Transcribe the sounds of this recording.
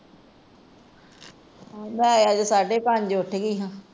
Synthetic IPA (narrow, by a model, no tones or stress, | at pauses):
ãːmɛ̃ːajaːd͡ʒosaːɖeːpaːɲd͡ʒoʊʈʰeɡiːɦãː